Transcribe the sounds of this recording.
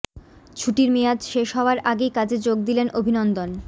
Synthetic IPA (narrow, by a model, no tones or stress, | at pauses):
t͡ɕʰuʈiɾmijad͡ʑʃeʃɦɔoaɾaɡejkad͡ʑed͡ʑoɡ̚d̪ilenʔobʱinɔnd̪on